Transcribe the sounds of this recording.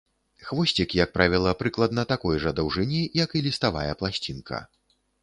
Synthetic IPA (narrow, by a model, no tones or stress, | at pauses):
xvɔsʲt͡sʲikjɐk̚pɾʔavʲilˠɐpɾɨklˠɐd̪nɐt̪akɔjʐɐd̪ɐwʐɨnʲijɐkilʲist̪avajɛplˠasʲt͡sʲinkʰɐ̰